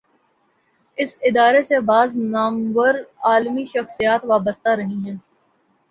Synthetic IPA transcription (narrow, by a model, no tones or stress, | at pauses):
ɪsɪd̪aːɾesebaːznaːmʋəɾaːlmiʃɐxsijaːt̪ʋaːbəst̪aɾɐɦĩɦɛ̃ː